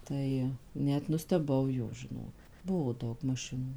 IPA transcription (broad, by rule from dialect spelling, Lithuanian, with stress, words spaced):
ˈtɐɪ ˈnʲɛt nʊsʲtʲɛˈbɐʊ jɛʊ ʒʲɪˈnoː ˈbʊʋoː ˈdɐʊk mɐˈʃʲɪnuː